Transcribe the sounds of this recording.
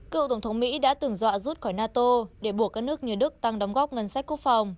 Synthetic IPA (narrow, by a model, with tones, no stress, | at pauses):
kɨ̰˧˨wt̪ə˧˩wŋ͡mt̪ʰə˨˦wŋ͡mmḭ˧˥ɗa̰ː˧˥t̪ɨ˨˩ŋzwa̰ː˧˨zu˦˥t̚xɔː˧˩jnaː˧t̪o˧ɗe˧˩ɓu˧˩əkːaː˦˥k̚nɨ˦˥ək̚ɲi˨˩əɗɨ˦˥k̚t̪a˧ŋɗa˨˦wŋ͡mɣɔ˦˥p̚ŋə˨˧˩nsa˦˥k̟ku˦˥ək̚fa˨˩wŋ͡m